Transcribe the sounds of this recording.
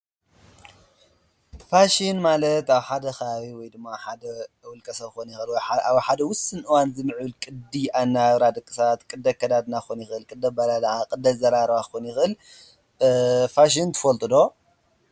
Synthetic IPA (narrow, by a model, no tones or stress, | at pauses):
faʃinmalɐt̪aβħad̪ɐxɐβaβiwɔjd̪ɨmːaħad̪ɐwʊlkʰʼɐsɐβxonjɪxɨlwɔjaħad̪ɐwʊsɨnʔɨwanzɨmɨʕulkʼɨd̪iʔanːaɾad̪ɐkʼːɨsat̪kʼɨd̪ːɐkʰːɐd̪ad̪naxonjɪxɨlkʼɨd̪ːɐbɐlalakʼɨd̪ɐzɐɾaɾβaxonjɪxɨl | faʃ̬int̪ʰɨ̥fɐlt̪ʼɨd̪o̞